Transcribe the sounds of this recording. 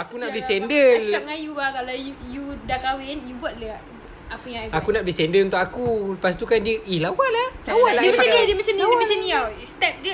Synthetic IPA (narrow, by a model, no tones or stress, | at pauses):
akunadisɛndəlskap̚ŋajubakalajujudakawɪnjubuat̪̚ləa | akujaŋakunaʔ̚bdisɛndəlunt̪ʊk̚akupast̪ukandiəʔilawalalawaladəmaaadiədiəmat͡ʃamndimat͡ʃanniawst̪ɛp̚də